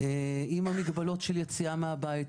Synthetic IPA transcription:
eimamiɡbalo̞tʃeljet͡siameabait

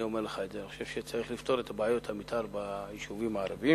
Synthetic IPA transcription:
io̞meʁleχaetzeniχo̞ʃev̥ʃet͡saʁiχlift̪o̞ʁet̪ʰabaajo̞thamit̪ʰaʁbaiʃuvimaːʁavi

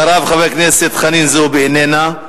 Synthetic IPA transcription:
aɾavχavejkneset̪χaninzubeenena

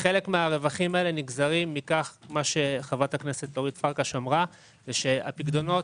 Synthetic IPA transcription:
χele̞kmeaʁe̞vaχimae̞le̞niɡzaʁimːikaχmaʃe̞χavatakne̞se̞tloʁitfaʁkaʃomʁa | veʃe̞a̰piɡd̪o̞no̞t

